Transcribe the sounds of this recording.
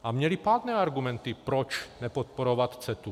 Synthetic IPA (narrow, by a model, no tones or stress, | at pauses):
ʔamɲɛlipaːd̪nɛːaɾɡumɛnt̪ipɾɔt͡ʃnɛpɔt̪̚pɔɾɔʋat̪t͡sɛt̪u